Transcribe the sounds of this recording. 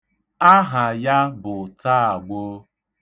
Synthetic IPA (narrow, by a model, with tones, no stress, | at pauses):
a˦ɦa˨ja˦bʊ˨taː˦a˨ɡ͡bo˦